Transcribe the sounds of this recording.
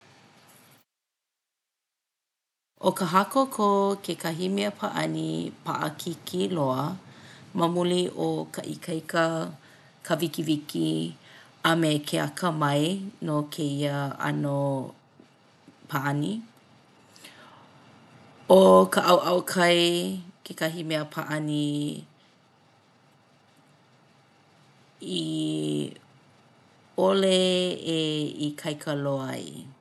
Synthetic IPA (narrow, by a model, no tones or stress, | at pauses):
ʔokəɦɐkokʰokʰekɐɦimeəpʰaʔɐ̰nḭpa̰ʔɐ̰kʰikʰiloə | mɐmuliʔokʰɐʔḭkʰɐjkə | kʰəvikiviki | ɐmekʰea̰kʰəmɐjnokʰeiəɐ̰no | pʰaʔɐni | okəʔɐwʔɐwkʰɐjkʰekɐɦimeəpʰaʔɐni | i | oleeikʰɐjkʰəloɐ̰j̰